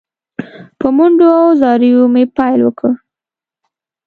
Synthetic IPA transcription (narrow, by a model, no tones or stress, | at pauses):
pəmuɳɖoawzɑɾijomepɑjlwəkə